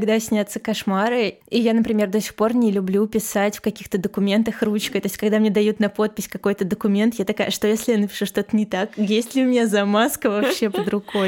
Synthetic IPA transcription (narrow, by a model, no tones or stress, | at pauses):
ɐɡd̪asʲnʲat̪sːəkɐʂmaɾɨ | ijanəpɾʲɪmʲe̞rd̪osʲɪ̥xpo̞rnʲɪlʲʊblʲupʲɪsatʲfkɐkʲixt̪əd̪əkʊmʲe̞nt̪əxrut͡ɕkəjt̪o̞ɪtʲkɐɡd̪amnʲed̪ɐjut̪nɐpo̞t̪̚pʲɪsʲkɐko̞jt̪əd̪əkʊmʲe̞nt̪jat̪ɐkaəʂt̪o̞jesʲlʲɪjanəpʲɪ̥ʂuʂt̪o̞t̪ənʲɪt̪akjesʲtʲlʲɪʊmʲɪnʲazɐmaskəvɐppɕːepəd̪ɾʊɡo̞j